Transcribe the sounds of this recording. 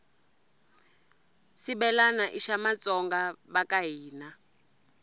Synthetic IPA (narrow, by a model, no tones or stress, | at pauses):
siɓɛlanaʔiʃamat͡sʼɔŋɡaβakaɦiːna